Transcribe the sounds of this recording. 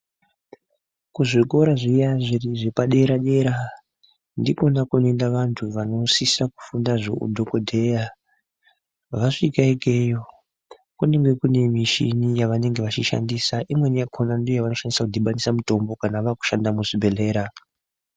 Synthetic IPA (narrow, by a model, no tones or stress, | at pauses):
kuʐiko̞ɾaʐijaʐiriʐe̞paɗe̞ɾaɗe̞ɾa | ndiko̞nakune̞ndaʋantʰuʋano̞sisaku̥fundaʐo̰ṵdʱo̞ko̞dʱe̞ja | ʋaʂikaike̞jo̞ | kune̞ŋɡe̞kune̞miʃinijaʋane̞ŋɡe̞ʋat͡ʃiʃa̰ndiːsaʔimwe̞nakʰonandiojaʋano̞ʃanisakudʱiɓanisamuto̞mbo̞kanaʋaku̥ʃandamuʐibʱe̞le̞ːɾa